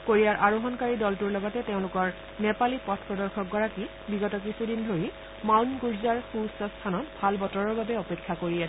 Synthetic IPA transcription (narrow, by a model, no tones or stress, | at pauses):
koɹijaɹʔaɹoɦɔnkaɹidɔltuɹlɔɡɔtɛteʊ̃lʊkɔɹ | nɛpalipɔtʰpɹɔdɔɹkʰɔk̚ɡɔɹaki | biɡɔtɔkɹisudindʱoɹi | mawnɡuɹzaɹxusɔstʰanɔtbʱalbɔtɔɹɔɹbabɛɔpekʰːakoɹiɛ